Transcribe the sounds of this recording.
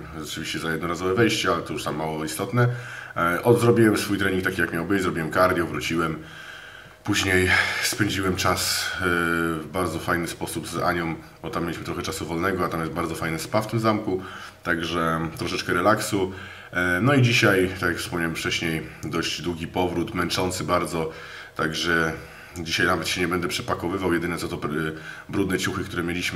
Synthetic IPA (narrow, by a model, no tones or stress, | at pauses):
ʐɛt͡ʂɘvʲiɕt͡ɕɛzajɛd̪nɔɾazɔvɛvɛjɕt͡ɕɛalɛt̪ɔjuʂt̪amːawɔist̪ɔt̪nɛ | ʔɔd̪zɾɔbʲiwɛmsfujt̪ɾɛɲĩŋkt̪akʲijakmʲjawbɪt͡ɕzɾɔbʲiwɛmkaɾd̪ʲjɔvɾut͡ɕiwɛm | puʑɲejspɛɲd͡ʑiwɛmt͡ʂas | vbaɾd̪zɔfajnɘspɔsubza̰ɲɔ̃m | bɔt̪amʲːjelʲiɕmɘt̪ɾɔxɛt͡ʂasuvɔlnɛɡɔat̪amjɛsd̪baɾd̪zɔfajnɨspaft̪ɘmzamku | t̪aɡʐɛt̪ɾɔʂɛt͡ʂkɛɾɛlaksu | nɔid͡ʑiɕajt̪akʲjakfspɔmɲawɛmft͡ʂɛɕɲejd̪ɔʑd͡ʑd̪wuɡʲipɔvɾut̪mɛnt͡ʂɔnt̪sɘbaɾd̪zɔ | t̪aɡʐɛ | d͡ʑiɕajnavɛt̪ɕɛɲɛbɛnd̪ɛpʂɛpakɔvɘvawjɛd̪ɘnɛt̪sɔt̪ɔbɾud̪nɛt͡ɕuxɘkt̪uɾɛmʲjelʲiɕm